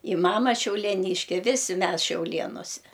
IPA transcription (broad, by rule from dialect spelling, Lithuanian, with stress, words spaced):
ɪ ˈmɑːmɐ ʃʲɛʊlʲiɛˈnʲiːʃʲkʲɛ ˈʋʲɪsʲɪ ˈmʲɛs ʃʲɛʊˈlʲeːnoːsʲɛ